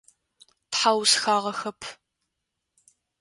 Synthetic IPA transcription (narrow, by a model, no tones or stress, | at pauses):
tħawsxaːʁɐxɐpʰ